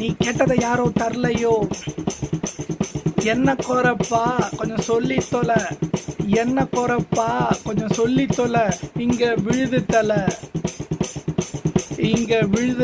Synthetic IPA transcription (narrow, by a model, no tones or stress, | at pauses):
niːkeːʈːɐðɐjaːɾõːt̪ɐɾlɐjoː | ɛnːɐkɔɾɐpːaːkɔɲd͡ʒɔ̃sɔlːɪt̪ːɔlɐ | ɛnːɐkːɔɾɐpːaːkɔɲd͡ʒɔ̃sɔlːɪt̪ːɔlɐɪŋɡɐʋɪɻɯðɯt̪ːɐlɐ | ɪŋɡɐʋɪɻɯð